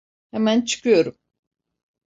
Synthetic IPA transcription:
hɛmænt͡ʃʰɯ̥kʰɯjo̞ɾum

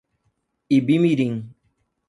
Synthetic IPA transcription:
ibimiɾiŋ

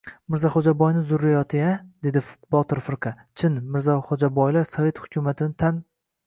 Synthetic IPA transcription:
mɪɾzaχod͡ʒabɒjnɪzʊɾːajɒt̪ʰɪad̪e̞d̪ɪbɒt̪ʰɪɾfɪɾqʰɑ | t͡ʃʰɪnmɪɾzaχod͡ʒabɒjlaɾsave̞t̪hʊ̥kʲʊmat̪ʰɪnɪt̪ʰan

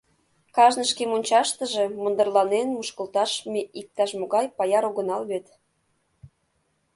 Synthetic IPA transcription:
kɑʒnəʃkemonʲt͡ɕɑʃt̪əʒe̽mə̆nd̪ərlɑnenmuʃkə̆lt̪ɑʃmeʔik̚t̪ɑʃmoɣɑjpɑjɑɾoɣənɑlβet̪

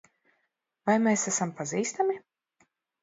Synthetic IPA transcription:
vajmeːsæsampaziːst̪amʲi

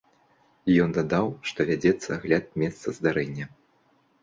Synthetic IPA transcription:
jɔnd̪ad̪awʂt̪ɔvʲad͡zʲɛt̪sːɐɣlʲat̪̚mʲɛst̪sɐzd̪aɾɛnʲːɐ

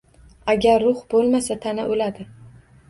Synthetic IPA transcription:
aɡʲaɾːʊχbolˠmasat̪ʰanaʔolad̪ɪ

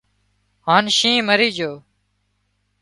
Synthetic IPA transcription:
ɦaːnʃĩːməɾiːd͡ʒoː

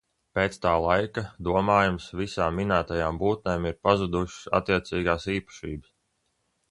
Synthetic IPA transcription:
peːt̪st̪aːlˠajkad̪uɔmaːjumsvisaːmːinaːt̪ajaːmbuːt̪̚neːmiɾpazud̪uʃsa̰t̪ːiɛt̪siːɡaːsiːpɐ̥ʃiːbəs

